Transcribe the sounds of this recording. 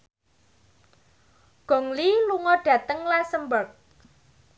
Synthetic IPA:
ɡ̥ɔ̤ŋliluŋɔɖ̥ä̤t̪əŋlasəmbərk̚

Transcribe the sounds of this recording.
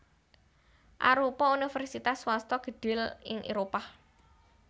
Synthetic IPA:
ʔa̰ɾupɔunifɛrsit̪aswast̪ɔɡ̥ə̤ɖ̥ɪ̤lɪ̰ŋʔḛɾopa

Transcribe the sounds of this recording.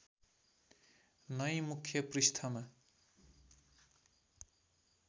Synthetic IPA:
nʌjmukʰjʌprist̪ʰʌma

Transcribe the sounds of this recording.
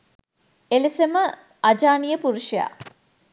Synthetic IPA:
elesemə | ad͡ʒaːnijəpuɾuʃija̰ː

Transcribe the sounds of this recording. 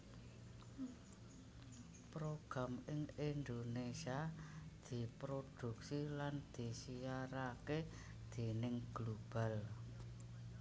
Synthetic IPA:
pɾoɡ̥ɾa̤mɪŋind̪onesiad̪̥i̤pɾod̪̥ṳk̚siland̪̥i̤sijaɾake | d̪̥e̤nɪŋɡ̥lob̥a̤l

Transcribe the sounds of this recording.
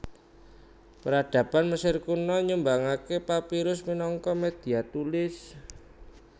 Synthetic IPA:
pəɾaɖ̪̥ä̤panməsɪrkunɔɲumbaŋakepapiɾʊsminɔŋkɔmed̪̥i̤at̪ulɪs

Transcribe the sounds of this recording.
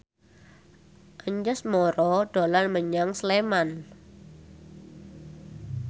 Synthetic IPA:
ʔəɲd͡ʒəsmɔɾɔɖ̥olanməɲaŋsleman

